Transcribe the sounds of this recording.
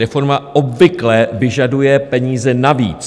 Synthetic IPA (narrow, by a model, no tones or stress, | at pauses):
ɛfo̞ɾmaʔo̞bvɪklɛvɪʒadujɛpɛɲiːzɛnavḭːt͡s